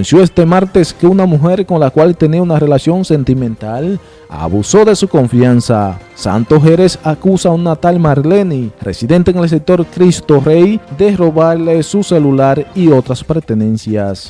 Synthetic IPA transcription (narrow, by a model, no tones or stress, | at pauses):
nsjoest̪emaɾt̪eskeunamuɦeɾkonlakwalt̪eniaunarelasjo̞nsent̪imẽnt̪al | a̰βuso̞ðe̞suko̞ɱfjansasa̰nt̪oɦeɾesakusaunnat̪almaɾlenirḛsiðent̪eŋels̬ek̚t̪o̞ɾkɾist̪orejd̪eroβaɾlesuselulaɾiot̪ɾaspeɾt̪ene̞nsjas